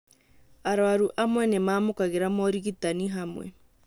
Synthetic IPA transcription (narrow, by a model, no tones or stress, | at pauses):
aɾwaɾuʔamwɛnemaːmokaɣeɾamɔɾiɣitaniɦamwɛ̰